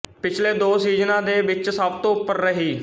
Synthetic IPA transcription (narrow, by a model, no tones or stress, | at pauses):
pɪt͡ʃʰleːd̪oːsiːznãːd̪eːʋɪt͡ʃsəb̚t̪õːʊpːəɾːəɦiː